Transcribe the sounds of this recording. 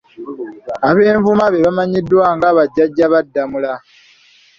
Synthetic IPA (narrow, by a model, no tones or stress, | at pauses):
aβe̞ːɱvumaβeβamaɲidːwaːŋɡaːβaɟːaɟːaβadːamula